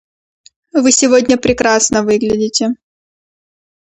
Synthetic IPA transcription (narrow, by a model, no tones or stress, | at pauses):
vɨsʲɪvodʲnʲəpɾʲɪkɾasnəvɨɡlʲɪdʲɪtʲɪ